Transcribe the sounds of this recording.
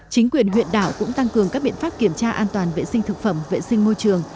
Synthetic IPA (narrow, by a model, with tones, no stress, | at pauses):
t͡ɕï˨˦ŋ̟kwi˨˩ənɦwḭ˧˨ənɗaː˧˩wkʊ̰˧˥ŋ͡mt̪a˧ŋkɨ˨˩əŋkaː˦˥k̚ɓḭ˧˨ənfaː˦˥p̚ki˧˩əmt͡ɕaː˧ʔaː˧nt̪waː˨˩nvḛ˧˨sï˧ŋ̟t̪ʰɨ˨˩k̚fə˧˩mvḛ˧˨si˧ŋ̟mo˧jt͡ɕɨ˨˩əŋ